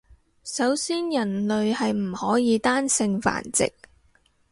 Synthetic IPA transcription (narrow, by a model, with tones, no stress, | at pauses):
sɐ˨˥wsiː˥njɐ˨˩nlɵ˨ɥhɐ˨jm̩˨˩hɔː˨˥jiː˨˧t̪aː˥nsɪ˧ŋfa̰ː˨˩nt͡sɪ̰˨k̚